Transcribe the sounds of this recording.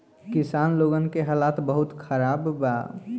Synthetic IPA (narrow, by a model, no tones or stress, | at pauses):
kɪsaːnloːɡənkeɦalaːt̪bəɦʊt̪kʰəɾaːbba̰